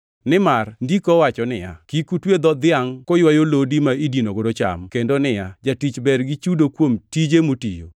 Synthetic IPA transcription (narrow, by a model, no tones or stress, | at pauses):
nɪmarndikɔwat͡ʃɔnɪja̰kikutwed̪ɔd̪ɪaŋkɔjwajolodimaidinoɡodot͡ʃa̰mkendonɪjad͡ʒatit͡ʃbɛɾɡit͡ʃudokwomtid͡ʒemutijo̰